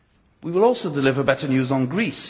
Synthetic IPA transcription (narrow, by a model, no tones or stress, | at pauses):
wiwɪlɔˑlˠsoʊdɪlɪvəbɛtənjʉːzn̩ɡɹiˑs